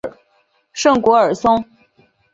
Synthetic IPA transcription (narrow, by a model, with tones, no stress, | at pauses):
ʂɤ˥˩ŋkwɔ˧˥ə˞˨˩sʊ˥ŋ